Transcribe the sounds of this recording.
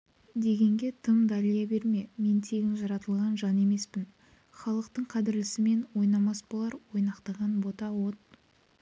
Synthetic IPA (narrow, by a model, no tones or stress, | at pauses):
d̪e̞ɡʲe̞ŋɡʲe̞t̪ʰəmd̪ɑlijɑbe̞ɾme̞me̞nt̪ʰe̞ɡʲɪnʒɑɾɑt̪əlˠʁɑnʒɑne̞me̞spɪn | χɑlˠəqt̪əɴqʰɑd̪ɪɾlɪsɪme̞nwo̞jnɑmɑsbɑlˠɑɾwo̞jnɑqt̪ɑʁɑnbo̞t̪ɑwo̞t̪̚